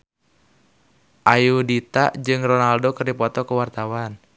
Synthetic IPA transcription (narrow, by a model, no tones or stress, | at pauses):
ʔajudit̪a̰ʔd͡ʒɨŋrɔnaldokɨrdipɔt̪ɔkəwart̪awan